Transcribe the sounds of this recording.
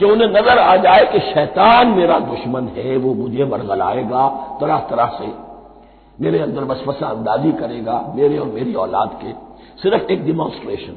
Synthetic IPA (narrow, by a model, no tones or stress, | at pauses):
keʊnɦẽnɐzəɾaːd͡ʒaːekeʃɛːt̪aːnmeːɾad̪ʊʃmənɦɛʋomʊd͡ʒʱeʋɐɾɣəla̰ːeːɡaːt̪ɐɾaɦt̪ɐɾəɦse | meːɾeɐ̃nd̪əɾbɐsfəsaɐ̃nd̪aːzikɐɾeːɡaːmeːɾeɔːɾmeːɾiɔːla̰ːd̪ke | sɪɾəfeːk̚ɖɪmɔ̃ːsʈɾeːʃən